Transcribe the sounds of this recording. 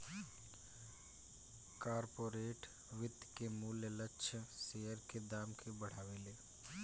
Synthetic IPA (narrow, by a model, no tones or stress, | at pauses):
kaːɾpoːɾeːʈ | ʋɪt̪ːkemuːljələtːʃʰəseːəɾked̪aːmkʰebɐɽ̤aːʋeːleː